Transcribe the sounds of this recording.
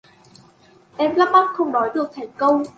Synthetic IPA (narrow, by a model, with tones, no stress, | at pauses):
ʔɛ˧mlaː˦˥p̚ma˦˥k̚xə˧wŋ͡mnɔ˨˦jɗɨ˨˩ək̚t̪ʰa˨˧˩ŋ̟kə˧wŋ͡m